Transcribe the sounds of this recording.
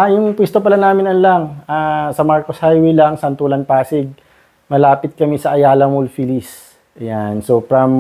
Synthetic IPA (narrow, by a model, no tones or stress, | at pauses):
ʔajʊŋpwɛst̪opɐlanaːmɪnɐnlaŋʔaːsɐmaɹkoshajwɛlɐŋsɐnt̪ulɐnpaːsɪɡ̚ | mɐlaːpɪt̪̚kɐmɛsɐʔɐjaːlɐmʊlfilis | ʔɐjansoːfɾɐm